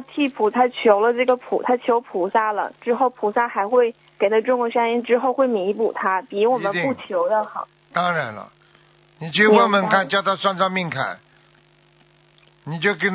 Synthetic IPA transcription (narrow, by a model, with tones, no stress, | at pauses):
t̪ʰi˥˩pʰu˨˩t̪ʰa˥t͡ɕʰjo˧˥ʊlə˧ʈ͡ʂɤ˥˩ɡə˩pʰṵ˨˩˦t̪ʰa˥t͡ɕʰjo˧˥ʊpʰu˨˩sa˥˩lə̰˩ʈ͡ʂɻ̩˥xo˥˩ʊpʰu˨˩sa˥˩xa˧˥ɪxwe˥˩ɪ | ke˨˩ɪt̪ʰa˥ʈ͡ʂʊ˥˧ŋɡə˧ɕa˥ni˥nʈ͡ʂɻ̩˥xo˥˧ʊxwe˥˩ɪmi˧˥pu˨˩t̪ʰa˥pi˧˥wɔ˨˩mə˦npu˥˩t͡ɕʰjo˧˥ʊd̪ə˧xɑ̰˧˩ | t̪ɑ˥ŋɻa˧˥nlə̰˦ | ni˨˩t͡ɕjo˥˩wa˥nmə˧˥nkʰa˥˩nt͡ɕjɑ˥˧ʊt̪ɑ˥˧ʊswa˥˧nt͡sɑ˥˧ŋmi˥˧ŋkʰa̰˨˩n | ni˨˩t͡ɕjo˥˩k̬ə˥